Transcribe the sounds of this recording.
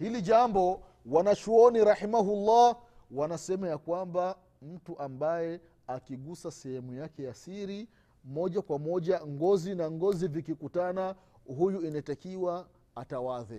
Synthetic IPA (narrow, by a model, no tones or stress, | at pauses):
hiliʄambɔ | wanat͡ʃuɔniɾahimaɦulːa | wanasɛmajakwamba | m̩tuʔambajɛ | akiɠusasɛhɛmujakɛjasiɾi | mɔʄakwamɔʄaŋɡɔzinaŋɡɔzivikikutana | ɦujuinatakiwaː | tawaðɛ